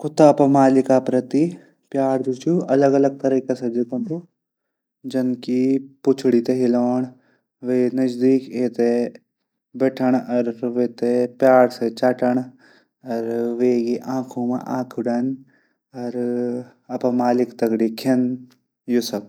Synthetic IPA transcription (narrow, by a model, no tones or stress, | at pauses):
kʊt̪aɐpɐ̃maːlɪkaːpɾɐt̪i | pjaːɽd͡ʒut͡ʃuɐləɡɐləɡ̚t̪ɐɾiːkasɐd͡ʒɐt̪ɐ̃nt̪u | d͡ʒɐnkipʊt͡ʃʰɽit̪eɦiloːɳ̃ | ʋeːnɐd͡ʒd̪iːkeːt̪e | bɛːʈʰəɳ̃ɐɾʋeːt̪epjaːɽset͡ʃaːʈəɳ̃ | ɐɾʋeːɡiʔãːkʰũmḛ̃ʔã̰ːkʰʊɖɐn | ɐɾ | ɐpãmaːlɪkt̪ɐkɡɽikʰen | jusɐk